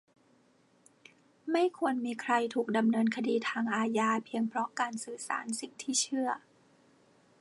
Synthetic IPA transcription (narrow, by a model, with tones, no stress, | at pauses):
ma˥˩jkʰu˧ənmiː˧kʰɾa˧jt̪ʰuː˨˩k̚da˧mnɤː˧nkʰa˧diː˧t̪ʰaː˧ŋʔaː˧jaː˧pʰi˧əŋpʰɾɔ˦˥kaː˧nsɯː˨˩sa̰ː˩˦nsi˨˩ŋ̚t̪ʰiː˥˩t͡ɕʰɯ˥˩ɐ